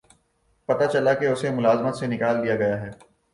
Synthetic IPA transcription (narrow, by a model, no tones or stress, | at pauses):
pɐt̪at͡ʃɐlakeʊsemʊlaːzmət̪senɪkaːld̪ijaɡɐjaɦɛː